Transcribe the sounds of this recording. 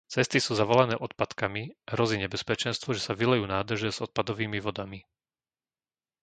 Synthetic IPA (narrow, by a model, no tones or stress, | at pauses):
t͡sɛst̪isuːzaʋɔlanɛːʔɔt̪pat̪kamiɦɾɔziːɲɛbɛspɛt͡ʃɛnst̪ʋɔʒɛsaʋilɛjuːnaːd̪r̩ʒɛzɔt̪̚pad̪ɔʋiːmiʋɔd̪ami